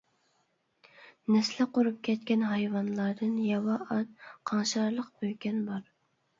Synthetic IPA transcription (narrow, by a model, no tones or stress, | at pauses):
nɛslɪqoɾup̚kʲʰɛt̪kʲɛnɦɑjvɑnlˠɑɾd̪ɨnjɑwɑʔɑt̪qʰɑŋʃɑɾlˠəqb̥øjkʲɛnbɑɾ